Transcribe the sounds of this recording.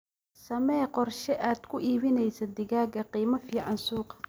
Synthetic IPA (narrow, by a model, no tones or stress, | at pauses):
sɐmɛːqɔrʃɛʔaːd̪kʰʊʔiːβɪnɛjsɐd̪ɪɣaːɡɐqiːmɐfiːʕɑnsuːqɐ̥